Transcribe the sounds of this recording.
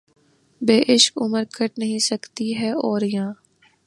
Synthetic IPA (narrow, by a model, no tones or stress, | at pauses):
beːʔɪʃkʊməɾkʰɐʈnɐɦĩsɐkt̪iɦɛːɔːɾjãː